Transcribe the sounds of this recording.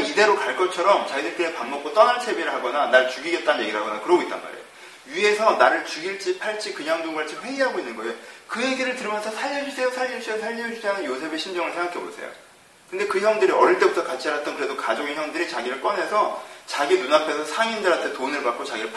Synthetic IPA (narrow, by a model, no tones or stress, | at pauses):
ide̞ɾokaɭk͈ʌt͡ɕʰʌɾʌmt͡ɕaɡidɯɭt͈eːpammʌk͈̚ʰot͈ʌnaɭsʰe̞biɾɯɭhaɡʌnanaɭt͡ɕuɡiɡe̞t̚t͈anɯnɲje̞ɡiɾɭɦaɡʌnakɯɾʌɡoit͈̚a̰nma̰ɾḛjo̰ | ɥie̞sʰʌnaɾɯɭt͡ɕuɡiɭt͡ɕ͈ipʰaɭt͡ɕ͈ʰikɯɲaŋdoŋpʰaɭt͡ɕʰiɸwe̞iɦaɡoinːɯnɡʌejokɯje̞ɡiɾɯɭtɯɾmjʌnsʰʌsʰaɭːʌd͡ʑusʰeosʰaɭːiɭs͈ʰeosʰaɭɲːʌd͡ʑusiɦanɯnjosʰe̞beɕʰind͡ʑʌŋɯɭsʰeŋɡakʰe̞bo̰sʰe̞̰jo̰ | kɯnde̞kɯçjʌŋdɯɾiʌɾiɭt͈e̞butʰʌkat͡ɕʰiaɾat͈̚ʌnkɯɾe̞dokad͡ʑoɡiçjʌŋdɯɾit͡ɕaɡiɾɯɭk͈ʌne̞sʰʌt͡ɕaɡinunapʰe̞sʰʌsʰaŋindɯɾantʰe̞tonɯɭpak͈ot͡ɕaɡiɾɯɭpʰ